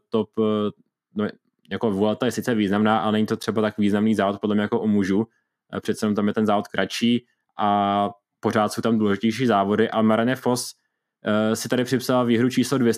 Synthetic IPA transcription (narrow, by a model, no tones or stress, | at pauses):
t̪op | no | jakovulɛt̪ajɛsɪt̪t͡sɛviːznamnaːʔalɛnɛɲit̪o̞t̪r̥ɛbat̪akviːznamniːzaːvot̪̚podlɛmɲɛjakoʔomuʒu | pr̝̥ɛt̪sɛnomt̪amjɛt̪ɛnzaːvot̪̚kɾʔat͡ʃiː | ʔa | po̞ɾaːt̪so̞wt̪amduːlɛʒɪcɛjʃiːzaːvo̞dɪʔalmaɾanɛfo̞s | sɪt̪aɾɪpr̥ɪpsalviːɦɾut͡ʃiːslodvjɛs